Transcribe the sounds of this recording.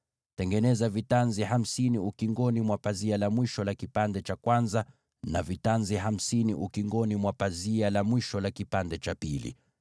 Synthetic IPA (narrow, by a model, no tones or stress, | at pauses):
tɛŋɡɛnɛzavitanziɦam̩siniukiŋɡɔnimwapazialamwiʃɔlakipandɛt͡ʃakwanza | navitanziɦam̩siniʔukiŋɡɔnimwapazialamwiʃɔlakipandɛt͡ʃapilḭ